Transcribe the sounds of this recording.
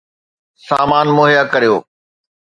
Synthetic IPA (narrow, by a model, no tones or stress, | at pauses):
saːmaːnmoːɦijakɐɾijoː